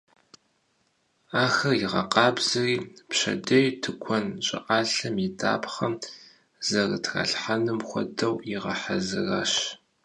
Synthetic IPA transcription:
aːxɐjiʁɐ̰qɑːbz̥ɐriːpɕɐ̰dɐjtʰɨkʷʰɔnt͡ʃʼɪ̰ʔaːɬɐmjida̰ːpχɐm | zɐrɨtʰxa̰ːɬħanɨmxʷɔ̰dɐwjɪʁɐħazɨra̰ːɕ

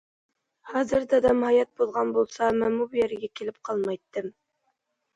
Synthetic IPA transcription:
hɑzɪɾd̪æd̪ɑmhɑjɑt̪̚bolˠʁɑnbolˠsɑmɪnubjeɾɡʲækʲʰelɪp̚qʰɑlˠmɑjt̪ːɪm

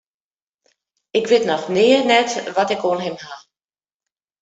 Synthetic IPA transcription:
ɪkʋɪtnɔxnɪːənɛtʋɔtɪkoənɦɪmha

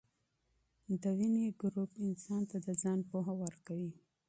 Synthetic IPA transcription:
d̪əwineɡɾupɪnsɑnt̪ad̪əd͡zɑnpoɦawəɾkawi

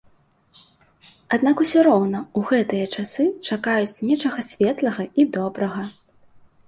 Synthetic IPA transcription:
ad̪nakusʲɔɾɔwnɐuɣɛt̪ɨjɐt͡ʂasɨt͡ʂakajut͡sʲnʲɛt͡ʂɐɣɐsʲvʲɛt̪lˠɐɣɐʔid̪ɔbɾɐɣɐ

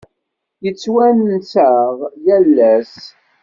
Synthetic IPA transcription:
jət͡sːwænnsəʁjælːæs

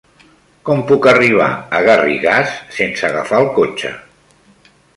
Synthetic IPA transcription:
kɔmpukəriβ̞a̰əɣariɣasːensəɣafaəlˠkot͡ʃə̰

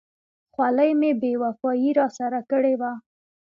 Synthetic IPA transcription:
xwaləjmebewafɑjiɾɑsaɾakəɽewa

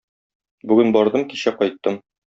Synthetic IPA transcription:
bʉɡɘnbɒɾd̪ɤmkiɕæqɒjt̪ːɤm

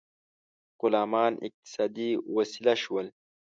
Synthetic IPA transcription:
qʊlaːmaːnḭq̚t̪i̥saːd̪iwɐsilaʃuwɐl

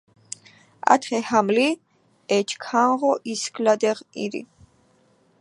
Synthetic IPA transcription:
a̰t̪ʰχɛhamli | ɛt͡ʃʰkʰanʁɔʔiskʼlad̪ɛʁḭɾḭ

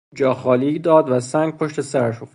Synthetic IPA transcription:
d͡ʒɒːxɒːliːɡd̪ɒːd̪væsæŋɡ̚pʰoʃt̪ʰesæɾæʃo

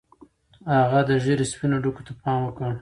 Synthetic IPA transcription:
haɣad̪əʒeɾespinoɖuko̥t̪apɑmwəkə

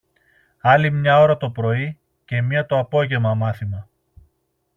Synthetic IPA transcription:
ɐlimɲɐo̞ɾɐt̪o̞pɾo̞i | ce̞mɲɐt̪o̞ɐpo̞ʝe̞mɐmɐθimɐ

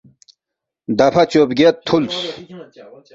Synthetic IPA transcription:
d̪ɐpʰɐt͡ɕoːbɡet̪̚ʰːuls

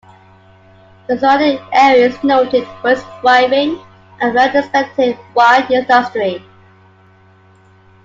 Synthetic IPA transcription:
ðəzʌɾɪɛɹiəznoʊtɪd̚wəsəvaɪvɪ̃ŋ | ʔə̃nɹɛtɹəspɛk̚tɪvwaɪdɪ̃ndəstɹi

